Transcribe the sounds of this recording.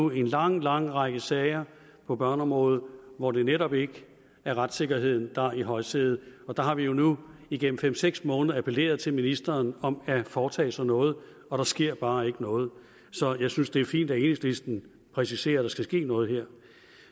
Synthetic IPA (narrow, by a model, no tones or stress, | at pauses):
ue̝nlɑ̈ŋ̰lɑ̈ŋ̰ʁɑɡ̥əsɛɪɐ | pʰɒ̽b̥ɶɐnɒ̽mʁɔ̽ːð̩ˠʋɒd̥e̝neɾɒ̽b̥e̝ɡ̥ə | æɐʁad̥se̝ɡ̥ɐɦe̝ð̰ˠn̩d̥ɑ̈iɦɒ̽ɪsʰeːð̩ˠɒ̽d̥ɑ̈ɦɑ̈ʋijo̝nuiɡ̥en̰m̩fem̰seɡ̥smɔ̽ːnðˠɐæpʰəle̝̰ːɐð̞̩ˠt͡sʰe̝lminisd̥ɐːnɒ̽mæfɒːt͡sʰɛ̰ːsɑ̽nɔ̽ːð̞̩ˠ | ɒ̽ɾ̥ɑ̈sɡ̥e̝ɐ̰b̥ɑ̈ːe̝ɡ̥ənɔ̽ːð̞̩ˠ | sɒ̽jɑ̈ɪsynsd̥e̝æɐfḭːnd̥æe̝ːneŋslisd̥n̩ | pʰʁɛsise̝̰ːɐɾ̥ɑ̈sɡ̥æsɡ̥e̝̰ːnɔ̽ːð̞̩ˠɦe̝ɐ̰